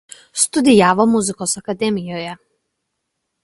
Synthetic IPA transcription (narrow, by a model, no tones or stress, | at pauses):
st̪ud̪ijavɔmuzikɔsakad̪ɛmijɔja